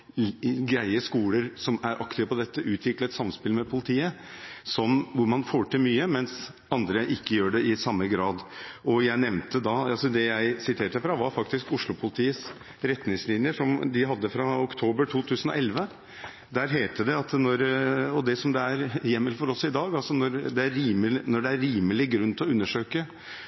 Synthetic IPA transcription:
ɡɾæɪəskuːləɾsɔmæɾʔɑkt̪ɪːʋəpɔd̪ɛt̪ːəʔʉːt̪ʰʋɪklət̪sɑmspɪlmɛpʰʊlɪt̪ʰiːəsɔnːʋʊɾmɑnfoːʈɪlmyːəmɛns | ɑnd̪ɾəʔɪkːəjøːɖɛɪsɑmːəɡɾɑːd̪ʔɔjæɪnɛʋnt̪əd̪ɑɑlsɔd̪ɛjæɪsɪt̪ʰeːʈəfɾɑʋɑɾfɑkt̪ɪskʊʂlʊpʰʊlɪt̪ʰiːəs | ɾɛt̪nɪŋslɪnjəʂɔmd̪ɪɦɑd̪ːəfɾɑʊkt̪ʰoːbəɾʈʰuːt̪ʰʉːsənɔ̰ɛlʋə | d̪æɾɦeːt̪əd̪ɛɑt̪nɔɾɔd̪ɛsɔmd̪ɛæɾjɛmːəlfɔɾɔsɔɪd̪ɑːɡɑlsɔnɔɾd̪ɛæɾːiːmənɔɖɛæɾːiːməlɪɡɾʉnːt̪ʰɔʉnːəʂøːkə

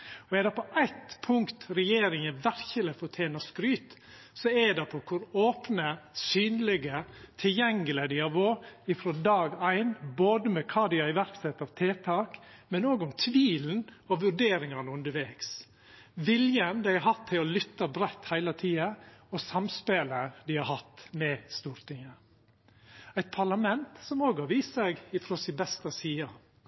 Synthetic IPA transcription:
ɔɛd̪ɛpʰɔʔæɪt̪pʰʊŋkt̪ɾɛjeːɾɪŋəʋæɾçəlɛfɔt̪ʰeːnɑskɾyːt̪ | sɔɛɖɛpʰɔkʰʊɾoːpnəsyːnlɛɡət̪ʰɪljɛŋːəlɛd̪ɪɑʋoːɪfɾɔd̪ɑːɡæɪnboːd̪əmɛkʰɑːd̪ɪɑɪʋæɾksɛt̪ːɑʋt̪ʰeːt̪ʰɑːkmɛnoːɡʊmt̪ʰʋiːln̩ɔʋʉɾɖeːɾɪŋɑnəʉnd̪əɾʋeːks | ʋɪljənd̪æɪhɑɦɑt̪ʰːɪɔlʏt̪ːɑbɾɛt̪ːhæɪlət̪ʰiːɑɔsɑmspeːləd̪ɪhɑɾɦɑt̪ːmɛst̪uːɾt̪ɪŋːə | æɪt̪̚pʰɑɭɑmɛnt̪sɔmoːɡhɑɾʋiːst̪sɛɡɪfɾɔsɪbɛst̪ɑsiːɑ

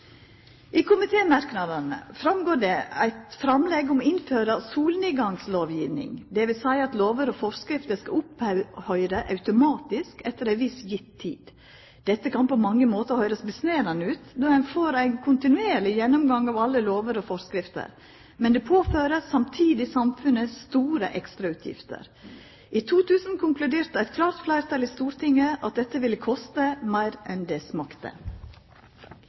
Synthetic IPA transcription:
ʔɪkʰʊmɪt̪ʰeːmɑɾknɑd̪ɑnə̰fɾɑmɡoːɖɛæ̰ɪt̪fɾɑmlɛɡʊmɪnføːɾɑsuːlniɡɑŋsloːʋjiːʋnɪ̰ŋd̪ɛʋɪsæɪɑt̪loːʋəɾɔfɔɾskɾɪft̪əskɑʊphœʏɾəʔɑʉt̪ʊmɑːt̪ɪskɛt̪ːəɾæɪʋɪsjɪt̪ʰːḭːd̪̥ | d̪̥ɛt̪ːəkʰɑnpɔmɑŋːəmoːt̪əhœʏɾəsbəsneːɾɑnəʉːt̪d̪oːɛnfoːɾæɪnkʰʊnt̪ɪnʉeːɭɪjɛnːɔmɡɑŋɑːʋɑlːəloːʋəɾɔfɔɾskɾɪft̪ə̰ɾ | mɛnd̪ɛpʰoːføːɾəsɑmt̪ʰiːd̪ɪsɑmfʉnəsːt̪uːɾə̰ʔɛkst̪ɾɑʉːt̪ʰjɪ̰ft̪ə̰ɾ | ʔit̪ʰuːt̪ʰʉːsn̩kʰʊŋklʉd̪eːɾt̪əæɪt̪̚kʰlɑːɾt̪flæɪɾt̪ʰɑliːst̪uːɾt̪ʰɪŋːəʔɑt̪̚d̪ɛt̪ːəʋɪlːəkʰɔst̪əmæɪɾɛnd̪ɛsmɑkt̪ə̰

